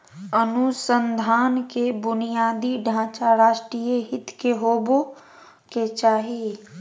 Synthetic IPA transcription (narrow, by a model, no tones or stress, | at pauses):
ənʊsənd̪ʱaːnkebʊnijaːd̪iɖʱãːt͡ʃaɾaːʃʈɾijeɦɪt̪keɦoːbo | ket͡ʃaːɦi